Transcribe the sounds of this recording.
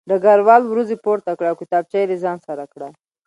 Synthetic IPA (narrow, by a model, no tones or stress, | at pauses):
d̪əɡaɾwɑlwɾuzepoɾt̪akɽaːwkit̪ɑb̚t͡ʃajɾezɑnsaɾakɽa